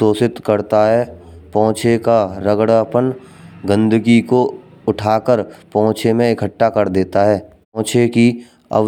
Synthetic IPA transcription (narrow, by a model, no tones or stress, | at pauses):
oːsɪt̪kəɾt̪aɦɛpɔ̃ːt͡ʃʰekaɾəɡɽpənɡə̃nd̪əɡiko | ʊʈʰaːkəɾpɔ̃ɦʊ̃t͡ʃʰemẽɪkʰəʈːakəɾd̪eːt̪aɦɛː | t͡ʃʰeki | ɐ̰